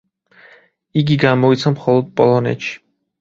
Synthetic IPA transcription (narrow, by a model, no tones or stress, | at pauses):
iɡiɡaːmɔit͡sʰamχɔlˠɔd̪̚pʼɔlˠɔnɛ̰t͡ʃʰi̥